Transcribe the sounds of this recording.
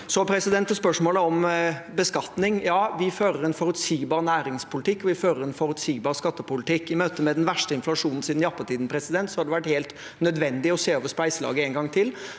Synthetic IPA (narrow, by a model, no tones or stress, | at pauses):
sɔpʰɾɛsɪd̪ɛnt̪ːɔspœʂmoːləɔmbəskɑt̪nɪŋjɑːʋɪføːɾəɾɛnfɔɾʉt̪siːɡbɑːɾnæːɾɪŋspʰʊlɪt̪ɪkːɔʋɪføːɾəɾɛnfɔɾʉt̪siːɡbɑːɾskɑt̪ːəpʊlɪt̪ʰɪkːɪmøːt̪əmɛd̪ɛnʋæʂʈəɪnflɑʂuːnn̩siːd̪n̩jɑpːət̪ʰiːd̪n̩pʰɾɛsɪd̪ɛnt̪sɔhɑd̪ɛʋæʈːheːlt̪ | nœd̪ʋɛnd̪ɪɔseːøːʋəspæɪsəlɑ̰ːɡəɛŋɡɑŋːt̪ʰɪl